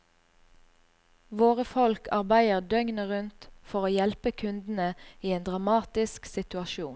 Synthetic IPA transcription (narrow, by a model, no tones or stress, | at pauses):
ʋoːʁəfɔlkʰɑʁbæɪəʁd̪œŋnəʁʉnt̪fɔʁoːjɛlpəkʰʉnd̪n̩əiːeːnd̪ʁɑmɑːt̪ɪsksɪt̪ʉɑʃuːn